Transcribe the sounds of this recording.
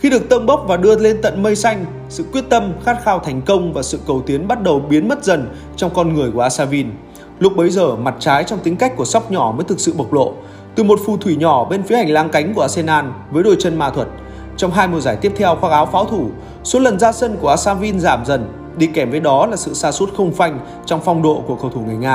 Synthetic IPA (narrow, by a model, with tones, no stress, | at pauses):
xi˧ɗɨ˨˩ək̚t̪ə˧mɓə˦˥wk͡p̚vaː˨˩ɗɨ˧əle˧nt̪ə̰˧˨nmə˧jsa˧jŋ̟ | sɨ̰˧˨kwi˦˥ət̚t̪ə˧mxaː˦˥t̚xaː˧wt̪ʰa˨˩jŋ̟kə˧wŋ͡mvaː˨˩sɨ̰˧˨kə˨˩wt̪i˨˦ənɓa˦˥t̚ɗə˨˩wɓi˨˦ənmə˦˥t̚zə˨˩n | t͡ɕɔ˧wŋ͡mkɔ˧nŋɨ˨˩əjku˧˩əʔaː˧saː˧vi˧n | lʊ˦˥k͡p̚ɓə˨˦jzəː˨˩ma˨˩t̚t͡ɕaː˨˦jt͡ɕɔ˧wŋ͡mt̪ï˨˦ŋ̟ka˦˥jk̟̚ku˧˩əsa˦˥wk͡p̚ɲɔ˧˩məː˨˦jt̪ʰɨ˨˩k̚sɨ̰˧˨ɓə˨˩wk͡p̚lo̰˧˨ | t̪ɨ˨˩mo˨˩t̚fu˨˩t̪ʰwi˧˩ɲɔ˧˩ɓe˧nfi˨˦əha˨˩jŋ̟laː˧ŋka˨˦jŋ̟ku˧˩əʔaː˧se˧naː˧nvəː˨˦jɗo̰˧˨jt͡ɕə˧nma̰ː˧˨t̪ʰwə˨˩t̚ | t͡ɕɔ˧wŋ͡mɦaː˧jmu˨˩zaː˧˩jt̪i˦˥əp̚t̪ʰɛ˧wxwaː˧˥ʔaː˨˦wfaː˨˦wt̪ʰu˧˩ | so˨˦lə˨˩nzaː˧sə˧nku˧˩əʔaː˧saː˧vi˧nzaː˧˩mzə˨˩n | ɗi˧˩kɛ˧˩mvəː˨˦jɗɔ˨˦laː˨˩sɨ̰˧˨saː˧su˦˥t̚xə˧wŋ͡mfa˧jŋ̟ | t͡ɕɔ˧wŋ͡mfɔ˧wŋ͡mɗo̰˧˨ku˧˩əkə˧˩wt̪ʰu˧˩ŋ˨˩əjŋaː˧